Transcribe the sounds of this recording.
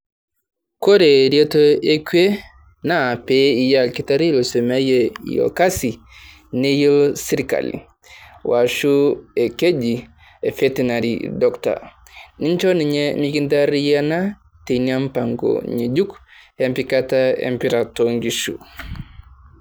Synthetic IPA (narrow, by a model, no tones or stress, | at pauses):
kɔɾeɾietoekue | napeijalkitaɾilosemajejɔ̰kasi | nejilsiɾika̰lḭ | waʃuɛked͡ʒi | ɛfetinaɾḭdɔkta̰ | niɲt͡ʃɔniɲemikintaɾijana | teniampaŋɡo̰ɲed͡ʒukhempikataḛmpiɾatoŋɡiʃṵ